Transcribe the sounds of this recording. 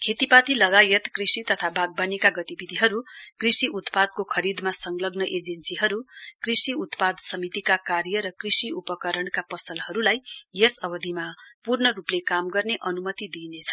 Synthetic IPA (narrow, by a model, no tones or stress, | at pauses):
kʰet̪ipat̪ilʌɡajet̪krisit̪ʌt̪ʰabʱaɡ̚banikaɡʌt̪ibid̪ʱiɦʌɾukrisiʔut̪pad̪̚kokʰʌɾid̪masʌŋɡlʌɡnʌʔed͡zensiɦʌɾukrisiut̪pad̪sʌmit̪ikakarjʌɾʌkrisiupʌkʌɾʌɳkapʌsʌlhʌɾulajjʌsʌbʌd̪ʱimapurnʌɾuplekamɡʌrneʔʌnumʌt̪id̪inet͡sʰʌ